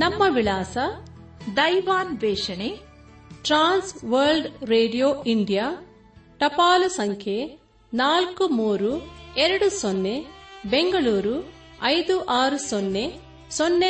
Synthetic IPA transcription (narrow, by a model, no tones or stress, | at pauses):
nɐmːɐʋilaːsɐ | d̪ɐjʋaːnʋɛːʂɐne | ʈɾaːnsʋɐɾlɖɾeːɖijoːiɳɖija | ʈɐpaːlusɐŋkʰje | naːlkumuːɾuɛɾɐɽusonːebeŋɡɐɭuːɾu | ɐjd̪uʔaːɾusonːe | sonːe